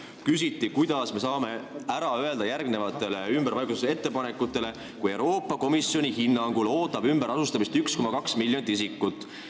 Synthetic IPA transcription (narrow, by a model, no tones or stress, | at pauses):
kys̬it̪ːˑikujd̪̥ɑsme̞sɑːme̞æɾɑøe̞ld̪ɑjærɡne̞vɑt̪ːˑe̞le̞ymb̥eɾvɑjɡusese̞t̪ːe̞pɑnekːˑut̪ːˑe̞le̞ | kuje̞wɾo̞ːpːˑɑko̞misjo̞nʲihinːɑŋɡ̥ulo̞ːt̪ːˑɑb̥ymb̥eɾɑsust̪ɑmist̪yksko̞mɑkɑksmilʲjo̞nit̪ːisikːˑut̪ːˑ